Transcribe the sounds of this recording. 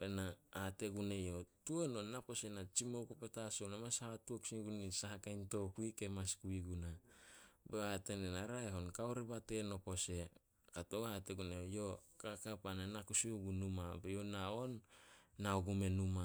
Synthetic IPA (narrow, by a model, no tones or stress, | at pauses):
benaːte̞ɡune̞jo̞tuononapo̞se̞nat͡ʃimowkopetasownamashahatuoksiŋɡunisaɦakajnto̞kuike̞maskuiɡuna | beatenenaɾaeɦo̞nkaoɾebate̞no̞po̞se̞ | katoate̞ɡunejo̞kakapananakusiuɡunumabejonao̞nː | aoɡume̞numa